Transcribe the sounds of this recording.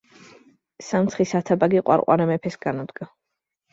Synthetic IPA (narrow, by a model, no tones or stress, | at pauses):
samt̪sχisat̪ʰabaɡiqʼwa̰ɾqʼwa̰ɾamɛpʰɛsɡ̥anɔd̪ɡa